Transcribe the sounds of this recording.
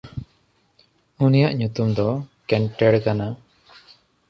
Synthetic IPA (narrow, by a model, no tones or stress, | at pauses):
unijaʔɲut̪umd̪ɔkɛɳʈɛɽkana